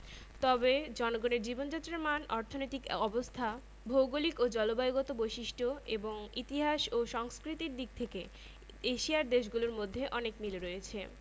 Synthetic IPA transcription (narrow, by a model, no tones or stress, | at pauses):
t̪ɔbed͡ʑɔnoɡoneɾd͡ʑibond͡ʑat̪ːɾaɾmanɔɾt̪ʰonojt̪ikɔbost̪ʰa | bʱowɡolikod͡ʑɔlobajɡɔt̪obojʃiʃʈʰoeboŋit̪iɦaʃoʃɔŋskɾit̪iɾd̪ik̚t̪ʰeke | eʃiaɾd̪eʃɡuloɾmod̪ʱːeʔɔnekmiloɾoet͡ɕʰe